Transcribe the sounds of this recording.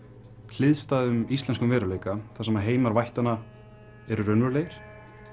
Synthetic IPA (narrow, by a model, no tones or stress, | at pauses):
l̥ɪðst̪aːðʏmist̪lɛnskʏmvɛːɾʏleːjkaθḁsɛmaðɦeːjmaɾvajht̪ana | ɛɾʏɾœnvœɾleːjɪɾ̥